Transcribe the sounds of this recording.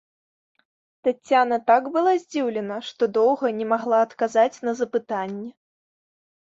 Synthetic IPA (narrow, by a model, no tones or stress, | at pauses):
t̪at͡sʲːanɐt̪aɡbɨlˠazʲd͡zʲiwlʲɛnɐʂt̪ɔd̪ɔwɣɐnʲɛmaɣlˠaːt̪kazat͡sʲnɐzɐpɨt̪anʲːɛ